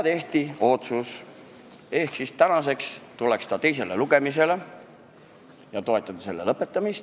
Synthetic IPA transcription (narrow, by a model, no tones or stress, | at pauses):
t̪e̞ht̪io̞t̪sus | e̞hksist̪ænɑse̞kst̪ule̞kst̪ɑt̪e̞jse̞leluɡ̥e̞mise̞le | jɑt̪o̞et̪ːˑɑd̪̥ɑse̞lːelɤpːˑe̞t̪ːˑɑmist̪